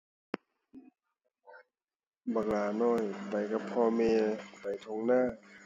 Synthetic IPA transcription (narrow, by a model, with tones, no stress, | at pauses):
ba˨˩ŋlaː˨˩nɔː˧˥˩jpa˨˩jka˧˩pʰɔː˧meː˧pa˨˩jt̪ʰo˧ŋnaː˥˩˨